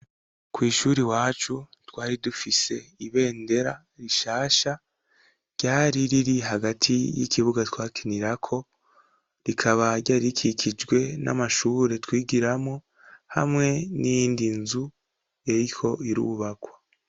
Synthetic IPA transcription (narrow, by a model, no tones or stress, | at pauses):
kwiːʃuːɾiwaːt͡ʃutwaːɾidufise̞iβe̞ːnde̞ɾa | ɾiʃaːʃa | ɾɟ̥aːɾiɾiɾiɦaɡatʰijḭkiβuɡatwaːkʰiniɾakʰo̞ | ɾikʰaβaɟaɾikʰikʰid͡ʒɡwe̞na̰maʃuːɾe̞twiːɡiɾamo̞ | ha̰mŋe̞nijiːndinzu | jeɾiho̞iɾṵːβakwa